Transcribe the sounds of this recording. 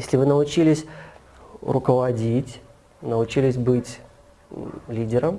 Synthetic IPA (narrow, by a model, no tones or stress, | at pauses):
jesʲlʲɪvɨnəʊt͡ɕilʲɪsʲ | rʊkəvɐdʲitʲ | nəʊt͡ɕilʲɪsʲbɨtʲ | lʲidʲɪɾəm